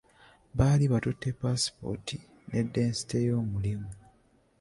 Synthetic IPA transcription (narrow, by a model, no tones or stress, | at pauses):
βaːliβatutːe̞paspo̞̰tʰi | ne̞dːe̞ːnsi̥te̞jo̞ːmulimu